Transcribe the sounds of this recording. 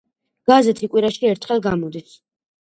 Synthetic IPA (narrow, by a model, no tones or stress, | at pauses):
ɡ̥azɛt̪ʰikʼwiɾaʃiɛɾt̪ʰχɛlˠɡamɔd̪is